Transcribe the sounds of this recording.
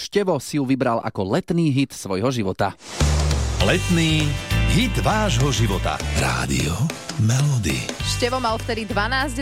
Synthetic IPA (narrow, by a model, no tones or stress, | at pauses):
ʃcɛʋɔsijuʋibɾala̰kɔlɛt̪niːɦit̪sʋɔjɦɔʒiʋɔt̪a | lɛt̪niːɦid̪ʋaːʒɦɔʒiʋɔt̪a̰ɾa̰ːd̪ḭɔmɛlɔd̪ḭʃcɛʋɔmalft̪ɛd̪id̪ʋanaːzɟ